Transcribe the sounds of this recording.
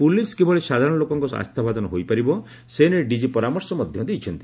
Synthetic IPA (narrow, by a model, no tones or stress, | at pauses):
puliskebɔɭesad̪ʱaɾɔɽ̃ɔlokɔŋkɔa̰st̪ʰabʱad̪ɔnɔɦojpaɾibɔ | seneɖid͡ʒipɔɾamɔɾsɔmɔd̪ʱjɔd̪ejt͡ʃʰɔnt̪i̥